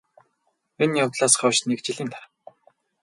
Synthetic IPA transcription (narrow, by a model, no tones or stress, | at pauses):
enjawt̪ɮaːsɢɔʃnekt͡ɕɪɮiːnt̪ʰar